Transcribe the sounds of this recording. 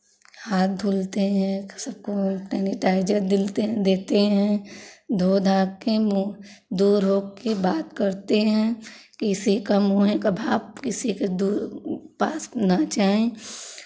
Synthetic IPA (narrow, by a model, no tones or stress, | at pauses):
haːt̪̚d̪ʱuːlt̪eɦɛ̃səb̚kopɛːnɪʈaːɪd͡ʒəɾd̪ɪlt̪ed̪eːt̪eɦɛ̃d̪ʱoːd̪ʱaːɡkemo | d̪uːɾɦoːkkebaːt̪kəɾt̪eɦɛ̃kɪsikamoːɦẽkabʱaːbkɪsiked̪uːɾpaːsnat͡ʃaːɦẽ